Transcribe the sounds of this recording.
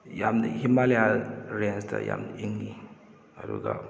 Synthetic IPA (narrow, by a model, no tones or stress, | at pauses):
jamd̪himalalɾensta̰ja̰mdiŋi | aɾṵɡa